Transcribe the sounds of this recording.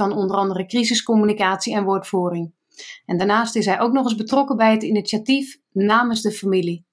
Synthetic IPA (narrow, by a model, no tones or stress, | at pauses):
ɔnondərɑndərəkrizəskomynikaːtsiɛnʋotfuːɾɪŋ | ʔɛndanaːstɪsɦɛjʔowknɔxɪzbətrɔkəbɛjətinisjatif | naːmənzdəfamili